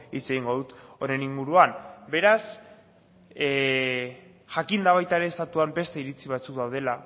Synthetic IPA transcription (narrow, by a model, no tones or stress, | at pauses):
it͡se̞ɣiŋɡo̞ðut̪o̞ɾe̞niŋɡuɾuambe̞ɾas | ʝakind̪aβ̞ajt̪aeɾe̞ːst̪at̪uambe̞st̪e̞iɾit͡siβat͡sukd̪awð̞e̞la